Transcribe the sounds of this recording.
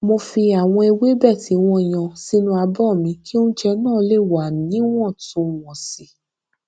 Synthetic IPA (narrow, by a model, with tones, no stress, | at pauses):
mo˧fi˧a˨w̃ɔ̃˧e˧we˦bɛ˦˨ti˨˦w̃ɔ̃˧˨j̃ã˨si˦nũ˧a˧bɔ˦˨mĩ˧ki˦o˦ñ̩˦t͡ʃɛ˧nãː˦˨˦le˦˨wa˨nĩ˨˦w̃ɔ̃˦˨tũ˧˨w̃ɔ̃˨si˨˦